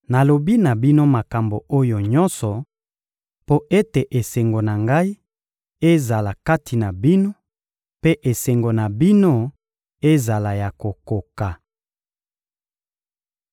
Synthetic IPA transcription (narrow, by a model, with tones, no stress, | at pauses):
na˨lo˨bi˦na˨bi˦no˦ma˨ka˨mbo˨o˦jo˨ɲɔ˦nsɔ˨ | po˦ʔe˦te˨ʔe˨se˨ŋɡo˨na˨ŋɡa˦i˦ | e˦za˨la˨ka˦ti˨na˨bi˦no˦ | pe˦ʔe˨se˨ŋɡo˨na˨bi˦no˦ | e˦za˨la˨ja˨ko˨ko˨ka˨